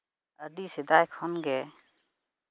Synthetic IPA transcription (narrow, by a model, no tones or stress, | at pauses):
ədisɛd̪ajkʰɔnɡɛ